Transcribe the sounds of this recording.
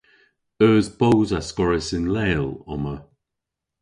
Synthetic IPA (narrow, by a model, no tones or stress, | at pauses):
œːzbowzaskɔɹɪsɪnleːlɔ̰mə